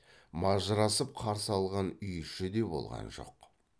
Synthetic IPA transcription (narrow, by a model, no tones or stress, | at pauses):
mɑʒəɾɑsəp̚qʰɑɾsəɑlˠʁɑnʏjʃɪd̪e̞bo̞̰lˠʁɑ̰nʒo̞̰q